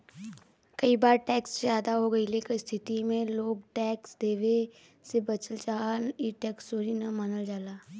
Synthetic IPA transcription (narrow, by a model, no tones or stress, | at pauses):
kɐibaːɾʈɛːksʒjaːd̪aɦoɡɐilekəst̪ʰɪt̪imẽloːɡ̚ʈɛːksd̪eːʋe | sebɐt͡ʃəlt͡ʃaːɦiʈɛːksoːɾinɐmanəld͡ʒaːlaː